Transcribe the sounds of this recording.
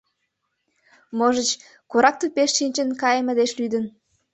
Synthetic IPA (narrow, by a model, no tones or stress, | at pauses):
moʒə̆t͡ɕ | koɾɑk̚t̪upeʃːinʲt͡ɕə̆nkɑjəmə̆d̪eʃlyd̪ə̆n